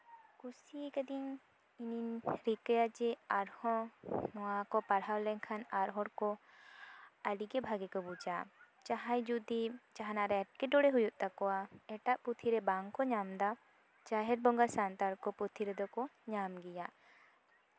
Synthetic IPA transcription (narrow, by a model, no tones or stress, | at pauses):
kusikad̪iŋ | ininɾikəjad͡ʒɛaɾhɔ̃nɔwakɔpaɽɦawlɛŋkʰanaɾɦɔɾkɔ | aliɡɛbʱaɡɛkɔbud͡ʒa | t͡ʃaɦajd͡ʒud̪it͡ʃaɦanaɾɛɛʈ̚kɛɖɔɽɛɦujuʔ̚t̪akɔwaɛʈaʔput̪ʰiɾɛbaŋkɔɲamd̪a | t͡ʃaɦɛɾ̚bɔŋɡaɾsant̪aɾkɔput̪ʰiɾɛd̪ɔkɔɲamɡɛjaʔ